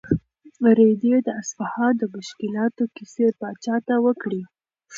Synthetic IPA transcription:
ɾed̪ed̪əasfahɑd̪əmʊʃkɪlɑt̪okisepɑt͡ʃɑt̪awəkɽi

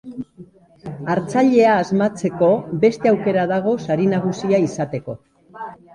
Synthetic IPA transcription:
aɾt͡saʎe̞aːzmat͡se̞ko̞be̞st̪e̞awke̞ɾaðaɣ̞o̞saɾinaɣ̞usiaisat̪e̞ko̞

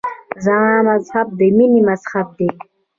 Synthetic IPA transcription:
zaãmazhab̚d̪eminimazhab̚d̪e

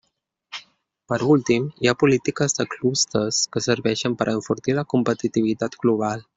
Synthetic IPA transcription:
pəɾult̪imjapolit̪ikəzd̪əklust̪əskəsəɾbɛʃənpəɾʔaəɱfuɾt̪ilakompət̪it̪ivit̪at̪ɡ̥loβal

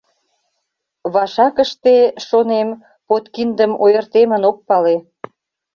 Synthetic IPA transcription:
βɑʃɑkəʃt̪eʃonem | pot̪kind̪əmojərt̪emə̆nok̚pɑle

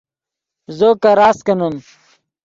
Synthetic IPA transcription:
zokɐɾaːskɐnum

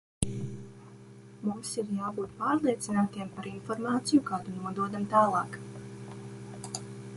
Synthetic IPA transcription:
mumsiɾjaːbuːt̪paːɾlˠiɛt̪sinaːt̪iɛmpaɾinfɔɾmaːt̪sijukaːt̪unuɔd̪uɔd̪amt̪aːlˠɑːk

